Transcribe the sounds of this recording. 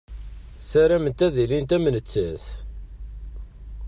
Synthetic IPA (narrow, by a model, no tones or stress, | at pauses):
sæɾæmənt̪æðilint̪æmənət͡sːæθ